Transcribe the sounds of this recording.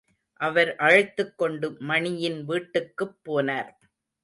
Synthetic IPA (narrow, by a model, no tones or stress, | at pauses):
ʔɐʋɐɾʔɐɻɯt̪ːɯkːɔɳɖɯːɐɳɪjɪnʋiːʈːɯkːɯpːoːnaːɾ